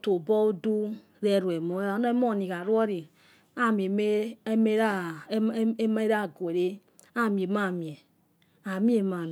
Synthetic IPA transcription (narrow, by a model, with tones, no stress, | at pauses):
to˨bɔ˦u˦du˦ | ɾɛ˦˨ɾu˨ɛ˨mo˦a˨˦nɔ˦m˦ɔ˦˨ni˨ka˨ɾu˦ɔ˦ɾi˨ | a˦˨m˨e˨me˦me˦ɾa˦ | ma˦e˦ɾa˦˨ɡo˨e˨ɾe˦ | a˦˨mi˨e˨ma˦˨mi˨e˨ | a˨mi˦e˨ma˨